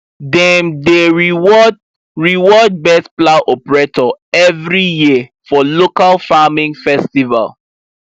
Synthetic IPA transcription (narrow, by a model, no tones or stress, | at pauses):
dɛ̃mdeɹiwɔd | ɹiwɔd̚bɛsplaʔɔpɹetɔɛvɹijiəfɔlokalfamĩŋfɛstiva̰l